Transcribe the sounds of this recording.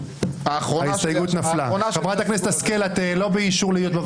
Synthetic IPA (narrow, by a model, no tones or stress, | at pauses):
aχoaist̪ajɡut̪naflaxabʁat̪akneset̪askelat̪elo̞beiʃuʁleijot̪ba